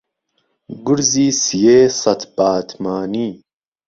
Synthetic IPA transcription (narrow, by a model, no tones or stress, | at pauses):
ɡuɾziːsijeːsɐt̪ʰb̥aːt̪ʰmaːniː